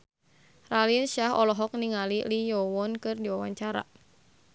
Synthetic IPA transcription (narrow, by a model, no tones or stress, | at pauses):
ralilʃaɦɔlɔɦɔk̚niŋalilijɔwɔnkɨrdiwawaɲt͡ʃaɾa̰